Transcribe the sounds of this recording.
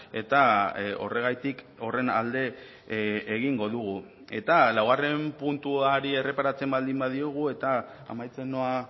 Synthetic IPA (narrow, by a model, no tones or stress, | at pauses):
e̞t̪ao̞re̞ɣ̞ajt̪ik | o̞re̞na̰ld̪e̞ː | ɣ̞iŋɡo̞ðuɣ̞u | e̞t̪alawɣare̞mpunt̪uaɾie̞re̞paɾat͡se̞mbald̪imbaðio̞ɣ̞ue̞t̪a | a̰majt͡se̞no̞a